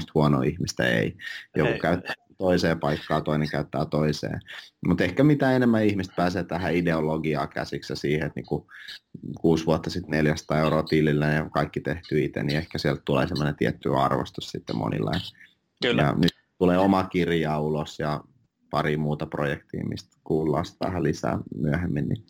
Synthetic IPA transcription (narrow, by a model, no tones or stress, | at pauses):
st̪huɔno̰ːihmist̪æ̰ḛijokukæyt̪ːæ | t̪oiseːpɑikːɑːt̪oineŋkæyt̪ːæːt̪oisḛːmut̪ehkæmit̪æːenemːæihmist̪̚pæːseːt̪æhæideoloɡiɑ̰kæ̰siksjɑsiːheet̪nḭːŋku | kuːsʋuot̪ːɑsit̪neljæst̪ɑːeuɾoːt̪ililːæjɑkɑikːit̪eht̪yːit̪ḛniehkæsiɛlt̪t̪ulḛːsemːonent̪iɛt̪ːy̰ɑ̰rʋo̰st̪ussit̪ːḛmʔo̰nḭlːɑ̰jɑ | jɑ̰nyt̪ | t̪uleːomɑkirjɑːulosjɑ | pɑɾimuːt̪ɑprojekt̪ḭːmḭst̪kuːlːɑ̰ːst̪ʋæ̰hælisæ̰ːmyæhemːinnḭ